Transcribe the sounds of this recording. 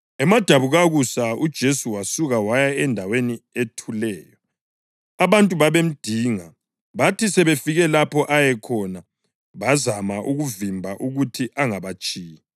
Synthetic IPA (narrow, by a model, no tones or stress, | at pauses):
ɛmad̥ʱaβuɣaɣusaud̥ʒ̥ʱesuwasuɣawajaɛndʱawenietʰulɛːjɔ | aβantʼuβaβem̩d̥ʱiːŋa | βatisɛβefiɣɛlapʰɔʔajɛkʰɔna | βazamaʔuɣuvimbʱaʔuɣutʰiʔaŋaβat͡ʃʼiːji